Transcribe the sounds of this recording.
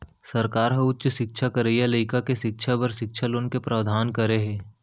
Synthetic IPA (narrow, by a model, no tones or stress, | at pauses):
sɐɾkaːɾɦə̃ʊtːʃʃɪk̚ʃʰakəɾejaləɪkakeʃɪk̚ʃʰabəɾʃɪkʃʰəloːnkepɾaʋd̪ʱaːnkəɾeɦẽː